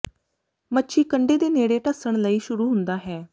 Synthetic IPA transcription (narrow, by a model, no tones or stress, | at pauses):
mətːʃʰiːkəɳɖeːd̪eːneːɽeːʈəsəɳ̃ləiːʃʊɾuːɦʊnd̪aːɦɛː